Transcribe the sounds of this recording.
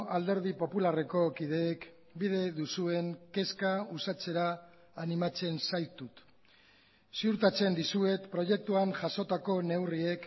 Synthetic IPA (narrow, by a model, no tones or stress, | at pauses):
ald̪e̞ɾð̞ipo̞pulare̞ko̞kið̞e̞ːk | bið̞e̞ðusue̞ŋke̞skausat͡se̞ɾaː | nimat͡se̞nsajt̪ut̪ | siuɾt̪at͡se̞nd̪isue̞t̪pɾo̞je̞k̚t̪uaŋʝaso̞t̪ako̞ne̞wrie̞k